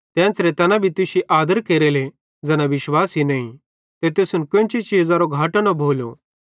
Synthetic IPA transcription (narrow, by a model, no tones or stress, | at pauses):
t̪ɛ̃ːnt͡sɾet̪ɐnãbʱit̪ʊsiʔaːd̪əɾkeːɾele | d͡zɛːnãʋɪʃwaːsɦinɐːĩ | t̪et̪eːsʊnkʊ̃nt͡ʃit͡ʃiːd͡zãɾoɡʱaːʈnobʱoːlo̰